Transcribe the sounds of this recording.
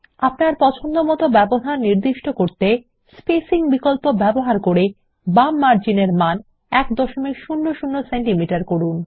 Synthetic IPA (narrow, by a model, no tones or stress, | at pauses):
apnaɾpɔt͡ɕʰond̪omɔt̪obɛboɦaɾniɾd̪iʃʈokoɾt̪e | spesiŋbikolpobɛboɦaɾkoɾe | bamːaɾd͡ʑineɾman | ɛkd̪ɔʃomikʃunːoʃunːoseɳʈimiʈaɾkoɾun